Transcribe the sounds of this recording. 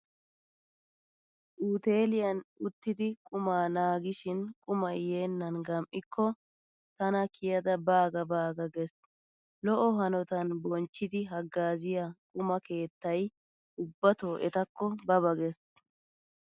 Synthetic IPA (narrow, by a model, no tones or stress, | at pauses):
ʔuːt̪e̞ːlɪjɐnʊt̪ːɪd̪ɪkʼʊmaːnaːɡɪʃɪnkʼʊmɐjːe̞ːnːɐnɡɐmʔɪkʰːɔ | t̪ɐnɐkʰɪjɐd̪ɐbaːɡɐbaːɡɐɡɛs | lɔʔɔɦɐnɔt̪ɐnbɔnt͡ʃːɪd̪ɪɦɐɡːaːzɪjakʼʊmɐke̞ːt̪ːɐj | ʊbːɐt̪oːʔɛt̪ɐkʰːɔbɐbɐɡɛs